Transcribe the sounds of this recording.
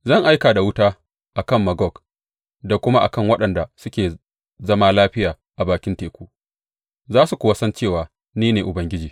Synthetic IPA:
zɐ˦˨ŋʔa˦jkaː˨da˨wʊ˦taː˦ | ʔa˨kɐ˦˨mːɐ˨ɡɔ˦˨k | da˨kʷʊ˦ma˦ʔa̰˨kɐ˦˨ŋwɐ˦ɗɐ˨nda˨sʊ˦kʲeː˨ | zɐ˦maː˦laː˦ɸɪ˦jaː˨ | ʔa˨baː˨kʲɪ˦nteː˨kʷuː˦ | zaː˦su˨kʷʊ˨wa˦sɐ˦nt͡ʃeː˦˨waː˨ | niː˦neː˨ʔʊ˨bɐ˦ŋɡʲɪ˦d͡ʒiː˨

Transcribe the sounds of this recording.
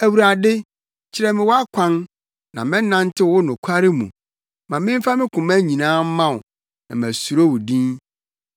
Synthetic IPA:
æ˨wu˨ɾa˨dɪ˦ | t͡ɕʰɪ˦ɾɛ˦mɪ̃˨wɔ˦a˦kʷʰã˦n | nã˨mɛ̃˦nã˦n˦tʰɪ˦wʊ˦nʊ̃˨kʷʰa˦ɾɪ˦mṵ̃˨ | mã˨mɪ̃˦m˦fa˦mɪ̃˦kʰʊ̃˨mæ˦ɲĩ˨nãː˦m̩˦mã˦˨ʊ˨ | nã̰˨m˨æ˨su˨ɾo˦wʊ˨dĩ˦n

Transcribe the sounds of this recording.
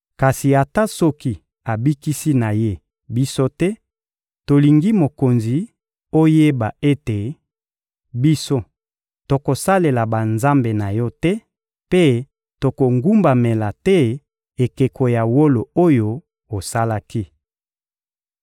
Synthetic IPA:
ka˨si˨a˨ta˦sɔ˦ki˦ | a˨bi˦ki˦si˦na˨je˦ | bi˦so˦tɛ˦ | to˨li˨ŋɡi˦mo˨ko˨nzi˨ | o˦je˦ba˨e˦te˨ | bi˦so˦ | to˨ko˨sa˦le˨la˨ba˨nza˦mbe˨na˨jɔ˦tɛ˦ | pe˦ | to˨ko˨ŋɡu˦mba˨me˨la˨tɛ˦ | e˨ke˨kʰo˨ja˨wo˦lo˨o˦jo˦ | o˨sa˦la˦ki˦

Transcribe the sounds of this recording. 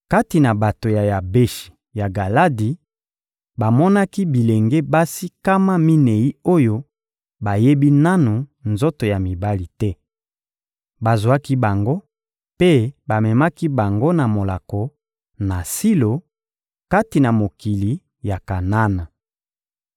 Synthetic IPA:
ka˦ti˨na˨ba˨to˨ja˨ja˨be˦ʃi̥˨ | ja˨ɡa˨la˦di˨ | ba˨mɔ˦na˦ki˦bi˨le˨ŋɡe˦ba˦si˦ka˦ma˦mi˦nɛ˨ji˦o˦jo˦ | ba˨je˦bi˦na˦nu˨nzo˦to˨ja˨mi˨ba˦li˨tɛ˦ | ba˨zwa˦ki˦ba˨ŋɡo˦ | pe˦ba˨mɛ˨ma˦ki˦ba˨ŋɡo˦na˨mo˨la˨ko˨ | na˨si˦lo˨ | ka˦ti˨na˨mo˨ki˨li˨ | ja˨ka˨na˦na˨

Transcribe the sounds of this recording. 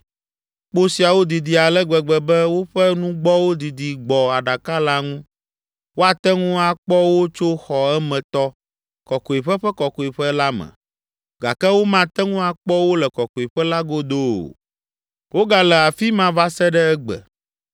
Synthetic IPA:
k͡po˦si˨a˨wo˦d̪i˨d̪i˨a˨lɛ˦ɡ͡bɛ˨ɡ͡bɛ˨bɛ˦wo˦ɸɛ˦nũ˦ɡ͡bɔ˦wo˦d̪i˨d̪i˨ɡ͡bɔ˨a˨ɖa˨ka˦la˦ŋũ˦ | wo˦a˨t̪ɛ˦ŋũ˦a˨k͡pɔ˦wo˦t͡ʃo˦xɔ˨ɛ˦mɛ̃˨t̪ɔ˦ | kɔ˨ko˨i˨ɸɛ˦ɸɛ˦kɔ˨ko˨i˨ɸɛ˦la˦mɛ̰̃˨ | ɡa̰˨kɛ˦wo˦mã˨t̪ɛ˦ŋũ˦a˨k͡pɔ˦wo˦lɛ˨kɔ˨ko˨i˨ɸɛ˦la˦ɡo˦d̪o̰˦˨ | wo˦ɡa˨lɛ˨a˨fi˦mã˦va˦sɛ˦ɖɛ˦ɛ˦ɡ͡bɛ̰˨

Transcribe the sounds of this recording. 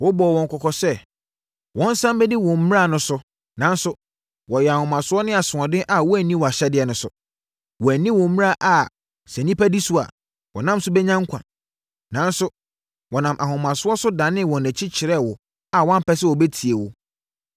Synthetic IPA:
wɔ˦bɔ˨wɔ̃˨ŋ˨kʰɔ˨kʰɔ˨sɛ˦ | wɔ̃˦n̩˦sã˦mbɛ˦di˦wɔ̃˨m̩˦m˦ɾa˦˨nʊ̃˦sʊ˦ | nã˨˦n˦sʊ˦ | wɔ˨jɛ˨a˨hʊ̃˨mã˨sʊ˦ɔ˦nɪ̃˦a˨sʊ̃˨ɔ̃˨dɪ˦ʔa˨wɔ˦æ˨nĩ˦wɔ˨a˨ɕɛ˦dɪ˦ɛ˨nʊ̃˨sʊ˨ | wɔ˨æ˨nĩ˦wɔ̃˨m̩˦m̃˦a˦˨ʔa˨ | sɛ˨nĩ˦pʰæ˦di˦su˦a̰˨ | wɔ˨nã˦m˦sʊ˦bɛ˦ɲã˦ŋ˦kʷʰã̰˨ | nã˨˦nsʊ˦ | wɔ˨nã˨mʔa˨hʊ̃˨mã˨sʊ˦ɔ˦sʊ˦dã˨nɪ̃˦wɔ̃˨nɛ̃˨t͡ɕʰɪ˦t͡ɕʰɪ˨ɾɛ˦˨wɔ˨ | a˨wɔ̃˦m̩˦pʰɛ˦sɪ˦wɔ˨bɛ˦tʰi˨e˨wʊ˦

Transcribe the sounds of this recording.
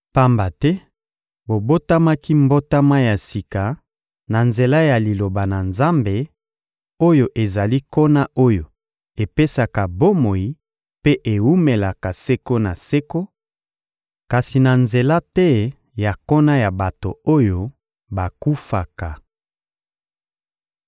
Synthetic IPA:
pa˦mba˨tɛ˦ | bo˨bo˦ta˦ma˦ki˦mbo˦ta˦ma˦ja˨si˨ka˨ | na˨nze˨la˦ja˨li˨lo˨ba˨na˨nza˦mbe˨ | o˦jo˨ʔe˨za˨li˦ko˦na˦ʔo˦jo˨ | e˨pe˦sa˨ka˨bo˦mo˨i˨ | pe˦ʔe˨wu˦me˨la˨ka˨se˦ko˦na˨se˦ko˦ | ka˨si˨na˨nze˨la˦tɛ˦ | ja˨ko˦na˦ja˨ba˨to̰˨o˦jo˦ | ba˨ku˦fa˨ka˨

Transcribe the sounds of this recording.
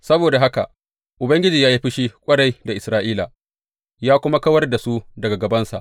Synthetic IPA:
sɐ˦boː˨da˨ɦa˦ka̰˨ʔ | ʔʊ˨bɐ˦ŋɡʲɪ˦d͡ʒiː˨jaː˦ji˦ɸɪ˦ʃi˦kʷʼɐ˦ɽa˦jda˨ʔɪ˨sɾaː˦ʔiː˦la̰˨ | jaː˦kʷʊ˦ma˦kɐ˦wɐ˦rda˨su˦dɐ˨ɡa˨ɡɐ˨bɐ˦nsa̰˨ʔ

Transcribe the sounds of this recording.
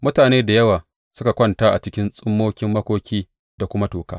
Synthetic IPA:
mʊ˦taː˨neː˦da˨jɐ˦waː˨ | sʊ˦ka˨kʷɐ˦ntaː˦ʔa̰˨t͡ʃɪ˦kʲɪ˦nsʼʊ˦mːoː˦kʲɪ˦mːɐ˦kʷoː˦kʲiː˦ | d̥a˨kʷʊ˦ma˦toː˨ka̰ː˦

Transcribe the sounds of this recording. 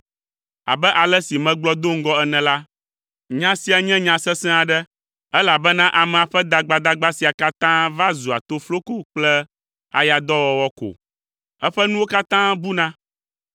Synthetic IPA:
a̰˨bɛ˦ʔa˨lɛ˦si˨mɛ̃˨ɡ͡blɔ˦d̪o˦ŋ̩˦ɡɔ˦ɛ˦nɛ̃˨la˦ | ɲã˦si˦a˨ɲɛ̃˦ɲã˨sɛ˦sɛ̃˦a˨ɖɛ˦ | ɛ˦la˨bɛ˦nã˦ʔa˨mɛ̃˨a˨ɸɛ˦d̪a˨ɡ͡ba˨d̪a˦ɡ͡ba˦si˨a˨ka˦t̪ã˦va˦zu˨a̰˨t̪o˦flo˦ko˦k͡plɛ˦ | a̰˨ja˨d̪ɔ˦wɔ˦wɔ˦ko̰˨ | ɛ˦ɸɛ˦nũ˦wo˦ka˦t̪ã˦bu˦nã˦

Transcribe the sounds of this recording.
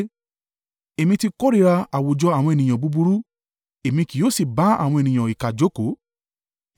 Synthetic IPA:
e˨mĩ˧ti˧kɔ˦ɾi˦˧˦ɾa˧a˨wo˨d͡ʒɔ˧˦a˦˨wɔ̃˧e˨nĩ˨j̃ã˨bu˨˧bu˧ɾu˦ | e˨mĩ˧ki˨˦o˦si˦˨ba˨˦a̰˦˨w̃ɔ̃˧e˨nĩ˨j̃ã˨i˨ka˨d͡ʒo˨˦ko˨˦

